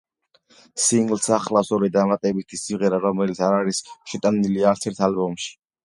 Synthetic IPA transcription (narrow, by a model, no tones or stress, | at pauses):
siŋɡlˠsaχlasɔɾɛd̪amat̪ʼɛbit̪ʰisiʁɛɾaɾɔmɛlit̪sʰaɾaɾisʃɛt̪ʼaniliaɾt̪sʰɛɾt̪ʰalbɔmʃi̥